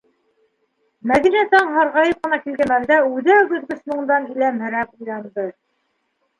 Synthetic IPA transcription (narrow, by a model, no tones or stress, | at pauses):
mæðinæt̪ɑɴɦɑɾʁɑjɤp̚qɤ̆nɑkilɡæmæld̪æʉðæwbɵ̆ðɡɵ̆smɤ̆ɴd̪ɑnilæmhɘ̆ɾæp̚ujlɑnd̪ɤ